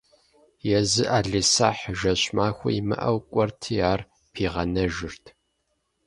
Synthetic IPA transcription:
jɛzɨʔaːɮisa̰ːħʒɐɕmaːxʷʊ̰imɨ̰ʔɐwkʷʼɔrtʰɨjaːr | pʰiːʁɐnɐʒɪrtʰ

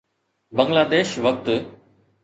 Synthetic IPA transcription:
bə̃ŋɡlaːd̪eːʃʋɐk̚t̪

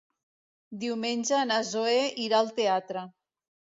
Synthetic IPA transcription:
d̪iwmenʲʒəːnazoeiɾaːlˠt̪eat̪ɾə

